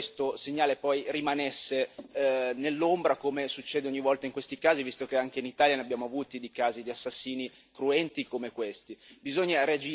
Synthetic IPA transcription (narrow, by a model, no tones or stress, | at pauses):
st̪oseɲːaːlepɔjrimanesːe | nelːombɾakomesut͡ʃːeːd̪eoɲːivɔlt̪aiŋkwest̪ikaːzivist̪okeaŋk̟einit̪aːljaneabːjaːmoavuːt̪id̪ekaːzid̪iasːasːiːni | kɾuɛnt̪ikomekwest̪ibizoɲːaɾead͡ʒiː